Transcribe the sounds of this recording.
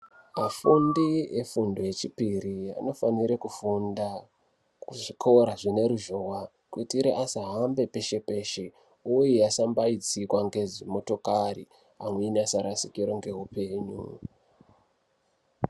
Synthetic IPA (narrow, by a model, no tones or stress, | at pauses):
mafundiefundoe̞t͡ʃipiria̰no̞faniɾekufunda | kuʐikʰoɾaʐine̞ɾuʒowa | kutiɾeʔasaɦambe̞pe̞ʃe̞pe̞ːʃe | ujijasambaid͡zikwaŋɡe̞zimo̞to̞karḭ | amweinasaɾasikiɾo̞ŋɡe̞ɦupe̞ːɲṵ